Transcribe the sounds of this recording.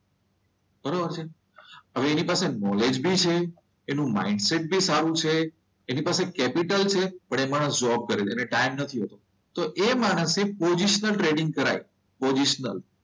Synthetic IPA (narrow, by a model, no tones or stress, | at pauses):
b̥əɾobəɾt͡ʃʰe | əʋeːnipasenɔled͡ʒbʱit͡ʃʰeː | nũma̰iɖseʈ̚bʱisaɾũt͡ʃʰeː | nipasekɛpiʈəlt͡ʃʰepəɳemaɽ̃əsd͡ʒɔb̚kəɾeneneʈaimnət̪ʰiɦət̪o | t̪oʔemaɽ̃əsepoziʃnəlʈɾeɖiŋɡ̚kəɾa̰j | pod͡ʒiʃnə̰l